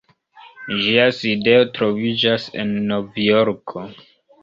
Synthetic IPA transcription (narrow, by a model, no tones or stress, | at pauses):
ʒiaside̞o̞tɾo̞vid͡ʒase̞̰nːo̞vjoɾkʰo